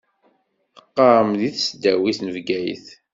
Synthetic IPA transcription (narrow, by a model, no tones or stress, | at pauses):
θəqːɑɾˤəmðiθsd̪æwiθnəvɡæj̰θ